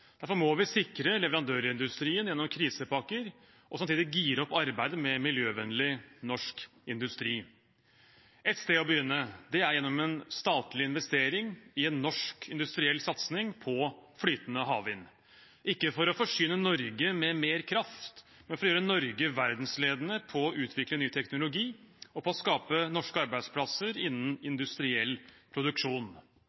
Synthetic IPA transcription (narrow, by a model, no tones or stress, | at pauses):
d̪̥æɾfɔɾmoːʋɪsɪkɾəlɛʋəɾɑnd̪øːɾɪnd̪ʉst̪ɾiːənjɛnːɔmkʰɾiːsəpɑkəɾ | ʔɔsɑmt̪iːd̪ɪɡiːɾɔpːɑɾbæɪd̪əmɛmɪljøːʋɛnlɪnɔʂk | ɪnd̪ʉst̪ɾiː | ʔɛt̪st̪eːɔbəjʏnːəd̪ɛæɾjɛnːɔmɛnst̪ɑːt̪lɪɪnʋɛst̪eːɾɪŋɪɛnːɔʂkɪnd̪ʉst̪ɾɪɛlːsɑt̪snɪŋpʰɔfɽyːt̪nəɦɑːʋɪn | ʔɪkːəfɔɾɔfɔʂʏːnənɔɾɡəmɛmeːɾkʰɾɑft̪ | mɛnfɔɾɔjøːɾənɔɾɡəʋæɾd̪n̩sleːd̪ənəpʰɔːʔʉːt̪ʰʋɪklənyːt̪ʰɛknʊlʊɡiːɔpʰɔɔskɑːpənɔʂkəɑɾbæɪd̪spʰlɑsəɾɪnːn̩ɪnd̪ʉst̪ɾɪɛlːpʰɾʊd̪ʉkʂuːn